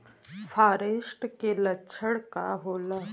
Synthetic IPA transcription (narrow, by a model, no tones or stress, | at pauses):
fʰaːɾeːʃʈkelɐːʃʰəɽka̰ɦoːla